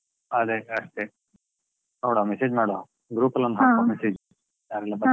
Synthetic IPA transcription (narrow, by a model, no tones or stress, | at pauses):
ɐd̪eɐʂt̪e | noːɽoːmeseːd͡ʒmaːɽo | ɡɾuːpɐlɐnd̪ɦakomeseːd͡ʒ | jaːɾɛlːabɐ